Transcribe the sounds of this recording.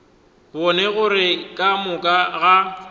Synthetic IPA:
bɔnɛɣʊɾɪkʼamʊkʼaɣa

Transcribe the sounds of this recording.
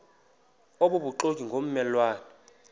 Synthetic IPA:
oɓoɓuǃokʼiŋɡʱom̩mɛlwaːnɛ

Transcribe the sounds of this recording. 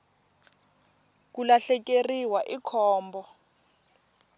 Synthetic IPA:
k̬ulaɬɛk̬eriwaʔikʰɔːmbɔ

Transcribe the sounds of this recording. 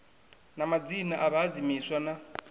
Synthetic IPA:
namad͡zinaʔaβaːd͡zimiswana

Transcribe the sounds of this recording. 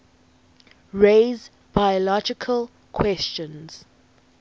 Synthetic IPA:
ɹez | b̥ajɔlɔd͡ʒɪkʰəl | kʰwɛst͡ʃə̃nz̥

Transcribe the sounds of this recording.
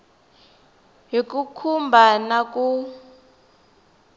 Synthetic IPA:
ɦikukʰumbʱanaku

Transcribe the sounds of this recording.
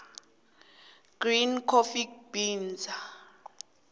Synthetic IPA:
ɡ̥rinkʰofik̚b̥iːnd͡zʱa

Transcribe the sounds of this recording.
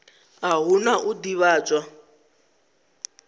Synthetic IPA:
aɦunaʔudiβaːt͡sʼwa

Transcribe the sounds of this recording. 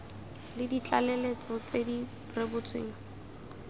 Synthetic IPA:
lɪdit͡ɬʼalɛlet͡sɔt͡sedi | rebʊt͡sʰwḛːŋ̩

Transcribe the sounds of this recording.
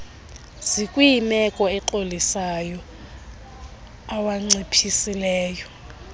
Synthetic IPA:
z̥ikʼwujimɛkʼɔɛǃolisajɔ | awaŋ͡ǀipʰisilɛːjɔ

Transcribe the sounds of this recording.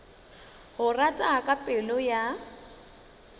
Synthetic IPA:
hʊratʼakʼapʼɪlʊja

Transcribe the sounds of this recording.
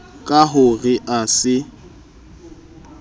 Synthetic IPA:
kʼaɦʊrɪʔasɪ

